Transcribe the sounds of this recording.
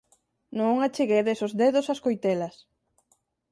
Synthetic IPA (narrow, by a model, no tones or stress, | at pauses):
nõŋat͡ʃeɣejðesozðeðʊsaskojt̪elɐs